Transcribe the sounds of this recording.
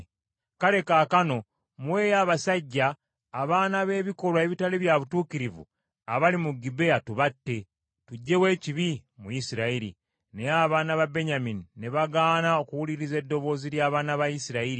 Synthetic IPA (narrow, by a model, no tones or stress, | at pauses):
kale̞kaːkano̞ | mwe̞ːjaːβasaɟːaː | βaːnaβe̞ːβiko̞lwaeβitaleβjaβutuːkiɾivṵ | aβalimuɡibe̞atuβatːe̞ | tuɟːe̞we̞ːciβimujisiɾaiɾḭ | ne̞aβaːnaβabe̞ɲaminine̞βaɡaːnao̞kuwuliɾize̞dːo̞βo̞ːziljaːβaːnaβajisiɾaiɾi